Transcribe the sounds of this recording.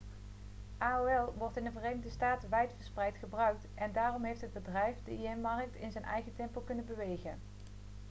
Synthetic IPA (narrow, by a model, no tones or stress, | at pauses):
ʔaːoɛlˠʋɔɹtɪndəvərejnəɣdəstaːtəʋɛjtfəɹsprɛjtχəbrœɥk̚tʔɛndaːrɔmɦejftɦəd̚bədrɛjfdəiɛnmɑrk̚tɪnzɛjnʔɛ̰jχətɛmpolˠkɵnənbəʋejχə̰n